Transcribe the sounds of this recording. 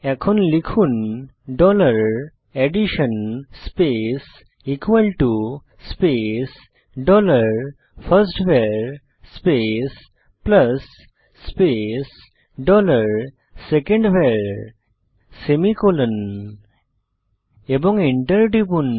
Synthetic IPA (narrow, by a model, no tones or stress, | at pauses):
ɛkʰɔnlikʰun | ɖɔləɾ | eɖiʃənspes | ikʋəlʈu | spes | ɖɔləɾ | pʰəɾsʈʋeɾ | spes | pləsː | pes | ɖɔləɾ | sekẽɳɖʋeɾ | semikolən | ebɔŋɡiɳʈəɾɖibun